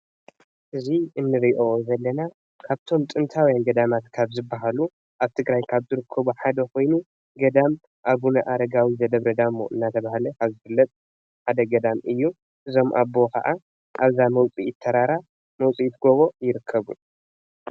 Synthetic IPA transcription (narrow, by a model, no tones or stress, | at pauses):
ʔɨziʔɨnːɨɾiʔozɐlːɐna | kʰaβt̪ʰo̞mt̪ʼɨnt̪ʰawjanɡɐd̪amat̪kʰaβzɨbːaɦalu | ʔaβt̪ʰɨɡɾajkʰaβzɨɾɨkʰːɐβuħad̪ɐko̞jnu | ɡɐd̪am | ʔaβunɐʔaɾɐɡawizɐd̪ɐβɾɐd̪amːo̰ʔɨ̰nːat̪ʰɐβahalɐkʰaβzɨfɨlːɐt̪ʼ | ħad̪ɐɡɐd̪amʔɨjːu | ʔɨzo̞mʔa̰bo̞kʰɐ̰ʔa | ʔaβzamɐwt͡sʼijɪt̪ʰːɐɾaɾa | mɐwt͡sʼijt̪ʰɡoβo̞jɪɾɨkʰːɐβṵ